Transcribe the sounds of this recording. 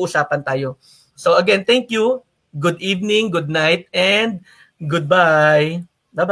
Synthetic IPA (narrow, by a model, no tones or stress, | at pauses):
ʔʊsaːpɐnt̪aːjo̞ | soʔɐɡɛnt̪ɛŋkju | ɡʊd̪ʔiːvnɪŋɡʊd̪̚najt̪̚ɛnd̪̚ | ɡʊd̪̚baj | d̪aba